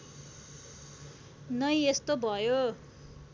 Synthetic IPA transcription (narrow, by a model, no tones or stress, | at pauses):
nʌjest̪obʱʌjo